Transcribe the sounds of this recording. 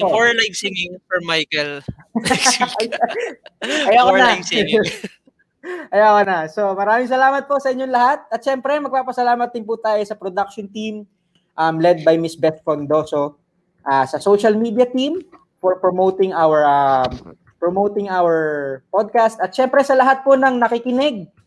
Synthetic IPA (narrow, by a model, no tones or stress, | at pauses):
ofoɹlajvsɪŋɪŋfɛmajkɛl | ɐjakonɐ | ʔɐjakonɐso̞mɐɾaːmɪŋsɐlaːmɐt̪̚po̞sɐʔɪɲːonlɐhat̪̚ɐt̪ʃɛmpɾɛmɐɡ̚paːpɐsɐlaːmɐt̪̚ːɪŋpʊt̪aːjosɐpɾod̪ak̚ʃont̪im | ʔɐmlɛd̪̚bɐjmɪsbɛt̪fond̪o̞ːso | ʔaːsɐsoʃɐlmiːd̪ijɐt̪im | fɔɹpɹomowt̪ɪŋʔawɛɹam | pɹomowt̪ɪŋawɛɹpod̪̚kast̪ɐt̪̚ʃɛmpɾɛsɐlɐɦat̪̚po̞nɐŋnɐkɪkɪnɛɡ̚